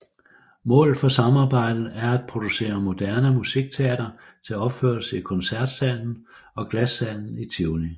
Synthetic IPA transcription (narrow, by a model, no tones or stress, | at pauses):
mɔ̰̽ːlð̩ˠfɒ̽sɑ̈mɑ̈ːb̥ɑ̈ɪ̰d̥ð̩ˠæɐæd̥̚pʰʁo̝d̥use̝̰ːɐmo̝d̥æɐnəmusiɡ̥̚t͡sʰe̝æd̥ɐ | t͡sʰe̝æɒ̽b̥føɐlsəikʰɒ̽nsæɐd̥sæl̰n̩ | ɒ̽ɡ̥læsːæl̰n̩it͡sʰiʊni